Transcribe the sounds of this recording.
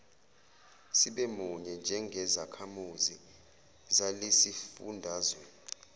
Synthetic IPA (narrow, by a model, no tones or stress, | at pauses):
siɓɛmuɲɛnd͡ʒʱɛŋɡʱɛzakʰamuzi | zalesifṵndʱaːzwɛ